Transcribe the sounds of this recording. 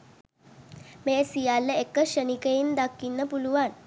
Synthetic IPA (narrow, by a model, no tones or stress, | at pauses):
mesijalːəekːəɕənikəind̪akːinːəpuluʋan